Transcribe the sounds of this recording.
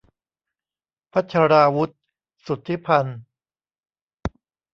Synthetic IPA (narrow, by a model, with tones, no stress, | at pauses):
pʰa˦˥t̪̚t͡ɕʰa˧ɾaː˧wu˦˥t̪̚ | su˨˩t̪ʰːi˦˥pʰa˧n